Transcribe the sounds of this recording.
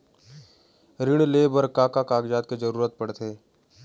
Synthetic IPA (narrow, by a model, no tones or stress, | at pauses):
ɾɪɽ̃leːbəɾkaːkakaːɡd͡ʒaːt̪̚ked͡ʒəɾuːɾət̪̚pɐɽt̪ʰeː